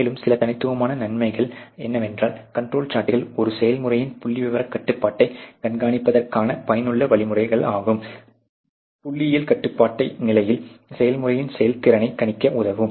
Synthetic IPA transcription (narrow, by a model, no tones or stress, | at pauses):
lɯmsɪlɐt̪ɐnɪt̪ːɯʋɐmaːnɐnɐnmɐɪɣɐɭɛnːɐʋɛndraːlkɐɳʈroːlt͡ʃaːʈːɪlɔɾɯsɛjɐlmɯrɐjɪnpʊɭːiʋɪʋɐɾɐkːɐʈːɯpːaːʈːɐɪɡ̥ɐɳɡaːɳɪpːɐðɐrkaːnɐpɐjɐnɯɭːɐʋɐɭɪmɯrɐɪɣɐɭaːɣɯm | pʊɭːɪjɪlkɐʈːɯpːaːʈːɐɪnɪlɐjɪlsɛjɐlmʊrɐjɪnsɛjɐlt̪ɪɾɐnɐɪkːɐɳɪkːɐʔʊðɐʋɯm